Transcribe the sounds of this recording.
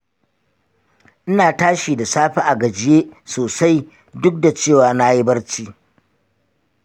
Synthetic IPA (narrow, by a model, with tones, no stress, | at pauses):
ʔɪ˦naː˨taː˦ʃiː˨da˨saː˦ɸa˦ʔa˨ɡɐ˨d͡ʒɪ˦jeː˦soː˨sa˦j | dʊ˦k̚da˨t͡ʃeː˦˨waː˨na˦ji˦bɐ˦rt͡ʃiː˦